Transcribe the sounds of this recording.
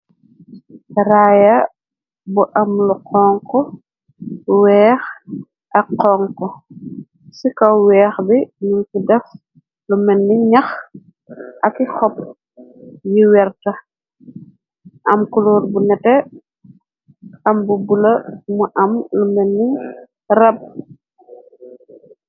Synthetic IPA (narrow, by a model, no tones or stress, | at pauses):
ɾaːjɐ | buʔɐmluqʰɔːŋkɔ | wɛːx | ʔɐkqːɔːŋkɔ | sikɐwwɛːxbinunkidɛf | lumɛnːiɲɐx | ʔɐkixɔp̚ | jiwɛrtɐ | ʔɐmkuluːrbunɛtɛ | ɐmbubulɐmuʔɐmlumɛnːi | rɐb̚